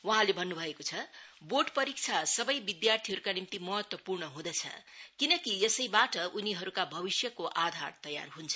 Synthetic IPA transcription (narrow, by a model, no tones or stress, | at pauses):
wʌɦãlebʱʌnːubʱʌekot͡sʰʌboʈpʌɾik̚t͡sʰasʌbʌjbid̪jart̪ʰiɦʌɾukanimt̪imʌɦʌt̪wʌpurɳʌɦũd̪ʌt͡sʰʌ̰kinʌkijʌsʌjbaʈʌʔuniɦʌɾukabʱʌbisjʌkoʔad̪ʱart̪ʌja̰rɦunt͡sʰʌ